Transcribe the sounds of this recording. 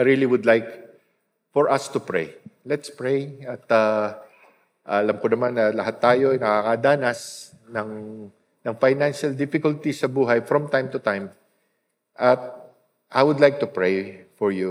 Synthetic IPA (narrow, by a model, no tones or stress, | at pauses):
ɾiliwʊd̪lajk | fɔɹʔɐst̪ʊpɹḛjlɛt̪spɹejɐt̪a | ʔɐlɐmkʊnɐmanːɐlɐɦat̪ːaːjo̞ɐjnɐkakɐd̪aːnɐs | nɐŋ | nɐŋfajnanʃɐld̪ɪfɪkʊlt̪isɐbuːɦɐjfɹɔ̃mt̪ãjmt̪ʊt̪ãjm | ʔɐt̪̚ | ʔajwʊd̪lajk̚t̪ʊpɹejfɔɹju